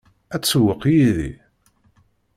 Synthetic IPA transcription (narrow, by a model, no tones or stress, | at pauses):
æt͡sːəwːəqːjiðḭ